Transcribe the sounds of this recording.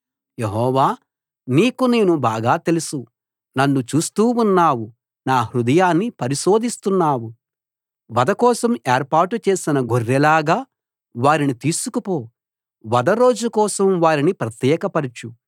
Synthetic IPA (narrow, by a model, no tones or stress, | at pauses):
je̞ɦɔːʋaː | niːkuneːnubaːɡaːt̪e̞lusu | nɐnːut͡ʃuːst̪uːunːaːwu | naːhɾud̪ɐjaːnːipɐɾiʃo̞ːd̪ist̪unːaːwu | ʋɐd̪ɐkɔːsɐmeːɾpaːɾʈut͡ʃe̞ːsinɐɡʱorːɛlaːɡaː | ʋaːɾinit̪iːsukupoː | ʋɐd̪ɐɾo̞ːd͡ʒukɔːsɐmʋaːɾinipɾɐt̪jɛːkɐpɐɾit͡ʃu